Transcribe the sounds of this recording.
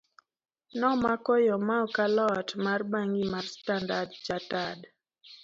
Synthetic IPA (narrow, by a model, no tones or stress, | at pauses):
nɔmakɔjɔmaɔkalɔtmarbaŋɡimarstandadd͡ʒatad